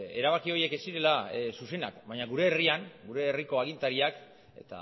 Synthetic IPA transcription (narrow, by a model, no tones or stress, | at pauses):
e̞̰ɾaβ̞akio̞je̞ke̞siɾe̞lasuse̞na̰kbajɲaɣuɾe̞ːriaŋɡuɾe̞ːriko̞aɣ̞int̪aɾiak | e̞̰t̪a̰